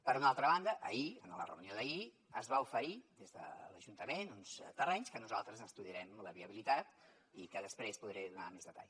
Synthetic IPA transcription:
pəɾunalˠt̪ɾəβand̪əʔə̰iə̰nələ̰rə̰unioðəi | əzβaufəɾid̪ezðə̰lə̰ʒunt̪əmenunst̪ərɛɲskənuzalˠt̪ɾəzəst̪uðiəɾɛmləβiəβilit̪at̪ | ikəðəspɾespuðɾɛðuna̰mezðət̪a̰ʎ

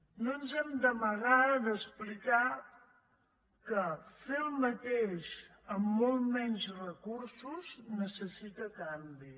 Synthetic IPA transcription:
nonzɛmd̪əməɣad̪əsplika | kəselˠmət̪eʃ | əmːolˠmɛɲzrəkuɾsuznəsəsit̪əkambi

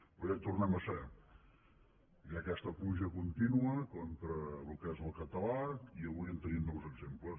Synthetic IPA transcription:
pɾɔjat̪urnɛməsɛ | jakɛst̪əpluʒəkunt̪inuəkɔnt̪ɾəlukɛzəlˠkət̪əlaiəβujɛmt̪ənimnɔwzəɡzemplə

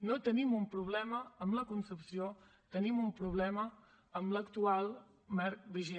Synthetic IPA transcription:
not̪ənimumpɾuβ̞lɛməəmləkunsəpsio | t̪ənimumpɾuβ̞lɛməː | mləkt̪ualˠ | mɛɾk̚βiʒi

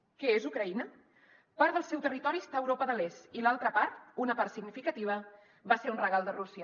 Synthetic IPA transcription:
kɛezukɾəinə | paɾt̪d̪əlˠsɛwt̪ərit̪ɔɾiəst̪aəwɾopəðəlesilalˠt̪ɾəpaɾt̪unəpaɾt̪siɡnifikət̪iβ̞ə | βaseɾunrəɣalˠd̪ərusiə

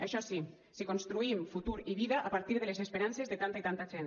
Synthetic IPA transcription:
aʃɔsi | sikonst̪ɾuimfut̪uɾiβiðaʔapaɾt̪iɾð̞elesespeɾansezðet̪ant̪ait̪ant̪afɾɛn

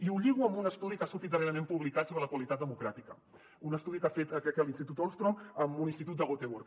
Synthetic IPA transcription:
iuʎiɣuəmbunəst̪uðikasuɾt̪it̪̚d̪əreɾəmẽmpuβlikat̪soβɾələkwəlit̪at̪̚d̪əmukɾat̪ikə | unəst̪uðikafet̪əkɛkɛlinst̪it̪ut̪olst̪ɾoməmuninst̪it̪ut̪d̪əɣot̪eβuɾk

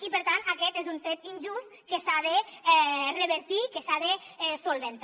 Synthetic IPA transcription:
ipəɾt̪ant̪akɛt̪ezuɱfet̪inʲʒust̪kesaðeɛrəβəɾt̪ikesaðeɛsolˠβent̪

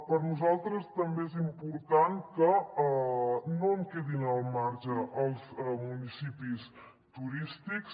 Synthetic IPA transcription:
pəɾnuzalˠt̪ɾəst̪əmbeezimpuɾt̪ankə | noəmkeðinəlˠmaɾʒəʔəlˠzmunisipis | t̪uɾist̪iks

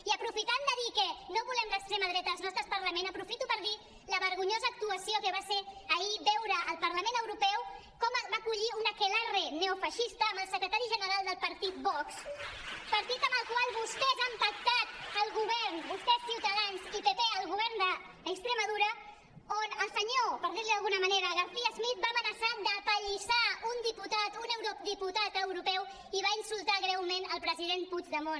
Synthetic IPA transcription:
iəpɾufit̪and̪əðikɛnoβulɛmləkst̪ɾɛməðɾɛt̪əːlˠznɔst̪ɾəpəɾləmensəpɾufit̪upəɾði | ləβəɾɣuɲozəːk̚t̪uəsiokəβaseəibɛwɾəʔːlˠpəɾləmẽnəwɾupɛwkɔməbakuʎiunəkelɛreneufəʃist̪əːməlˠsəkɾət̪aɾiʒənəɾalˠd̪əlˠpəɾt̪it̪̚bɔkspəɾt̪it̪əməlˠkwalˠβust̪ɛzampək̚t̪at̪̚əlˠɣuβɛɾnbust̪ɛsiwt̪əðanzipepeəlˠɣuβɛɾnd̪ə | əkst̪ɾəməðuɾə | onəlˠsəɲopəɾðiɾliðəlˠɣunəməneɾəɣəɾθiəzmit̪̚bamənəsad̪əpəʎisaund̪iput̪at̪unəwɾod̪iput̪at̪əwɾupɛw | iβainsulˠt̪aɣɾɛwmenəlˠpɾəziðenpud͡ʒðəmon

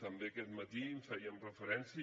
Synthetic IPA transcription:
t̪əmbekɛt̪mət̪iɱfɛjiəmrəfəɾɛnsjə

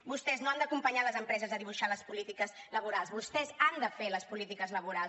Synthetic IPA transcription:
bust̪ɛznoand̪əkumpəɲaləzəmpɾɛzəzəðiβuʃaləspulit̪ikəzləβuɾalˠzβust̪ɛzand̪əfeləspulit̪ikəzləβuɾals

